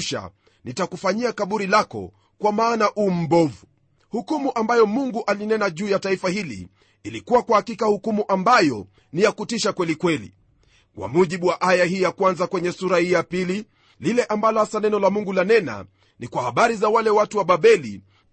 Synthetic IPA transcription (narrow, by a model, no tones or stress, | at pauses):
ʃa̰ | nitakufaɲiakaɓuɾilakɔ̰ | kwamaːnaʔuːm̩bɔvu | hukumuʔambajɔmuŋɡuʔalinɛnaʄuːjataifahilḭː | likuwakwahakikahukumuʔambajɔ | nijakutiʃakwɛlikwɛlḭ | kwa̰muʄiɓuwaʔajahiːjakwanzakwɛɲɛsuɾahiːjapili | lilɛʔambalɔhasanɛnɔlamuŋɡulanɛna̰ | nikwahaɓaɾizawalɛwatuwaɓaɓɛli